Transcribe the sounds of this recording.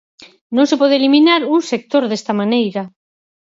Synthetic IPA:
nõŋsepɔð̞eliminaɾuŋsek̚t̪oɾðest̪amanejɾa

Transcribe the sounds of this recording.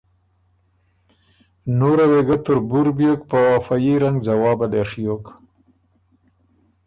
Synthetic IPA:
noɾaweɡat̪ʊɾbuɾbijok̚pəwafajiɾaŋɡd͡zawɑːbad̪eɾʂijok

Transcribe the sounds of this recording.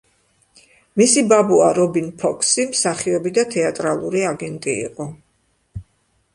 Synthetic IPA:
misibabuaɾɔbinpʰɔkʰsimsaχiɔbid̪at̪ʰɛat̪ʼɾalˠuɾiaɡɛnt̪ʼḭːqʼɔ

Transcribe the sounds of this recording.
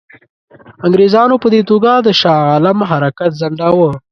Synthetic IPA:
aŋɡɾezɑnopəd̪et̪oɡad̪əʃɑɑlamɦaɾakat̪zaɳɖawə

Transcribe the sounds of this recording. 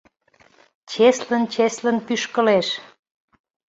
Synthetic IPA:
t͡ɕeslənt͡ɕeslə̆npyʃkə̆leʃ

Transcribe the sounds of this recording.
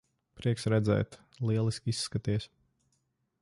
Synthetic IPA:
pɾiɛksɾɛd̪zɛ̰ːt̪ | lˠiɛlˠisʲkʲisːkat̪iɛs

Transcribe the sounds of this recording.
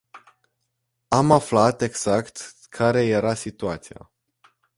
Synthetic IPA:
amaflat̪e̞ɡz̥akt̪ | kʰaɾe̞je̞ɾasit̪uat̪sija̰

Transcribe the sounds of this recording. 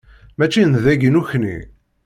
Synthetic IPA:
mæt͡ʃːinðæɡənuçnḭ

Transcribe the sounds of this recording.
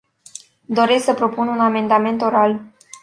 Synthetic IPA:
d̪o̞ɾe̞sksəpɾo̞pununame̞nd̪ame̞nt̪o̞ɾal

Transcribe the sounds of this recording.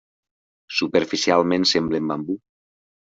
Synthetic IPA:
supeɾfisialˠmẽnsemblembambu

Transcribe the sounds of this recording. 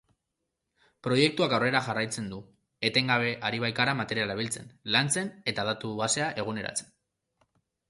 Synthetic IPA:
pɾo̞je̞k̚t̪uakawre̞ɾaʝarajt͡se̞nd̪u | e̞t̪e̞ŋɡaβ̞e̞ʔaɾiβ̞ajkaɾamat̪e̞ɾialaβ̞ilt͡se̞nlant͡se̞ne̞t̪að̞at̪uβase̞aʔe̞ɣ̞une̞ɾa̰t͡se̞̥n

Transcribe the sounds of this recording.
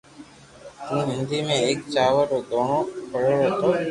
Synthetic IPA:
t̪ũːɦɪnd̪ʱiːmẽːeːk̚t͡ʃaːʋəɾoːd̪ʱoːɳõːpʰəɽoːɾət̪ʰoː

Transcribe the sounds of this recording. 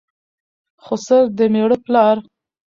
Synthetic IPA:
χosəɾd̪əmeɽəplɑɾ

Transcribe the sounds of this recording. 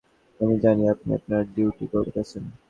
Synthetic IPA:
amid͡ʑaniapnḭa̰pnaɾɖiwʈikɔkat͡ɕʰen

